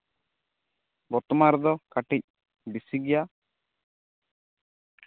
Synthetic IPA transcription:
bɔt̪ɔmaɾd̪ɔkaʈic̚ | bisiɡɛja

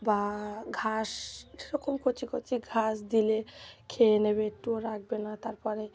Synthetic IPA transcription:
baɡʱaʃeɾɔkomkʰot͡ʃʰikʰot͡ʃʰiɡʱasd̪ilekʰeeneβeʈuɾːak̚benat̪aɾpɔɾe

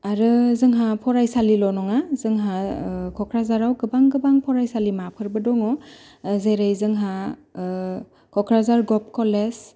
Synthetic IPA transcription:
aɾɯzɯŋɦapʰɔɾajsalilɔnɔŋazɯŋɦakʰɔkʰɾazaɾawkɡɯbaŋɡɯbaŋpʰɔɾajsalimapʰɯɾbɯdɔŋɔ | zeɾejzɯŋɦa | kʰɔkʰɾazaɾɡɔp̚kɔles

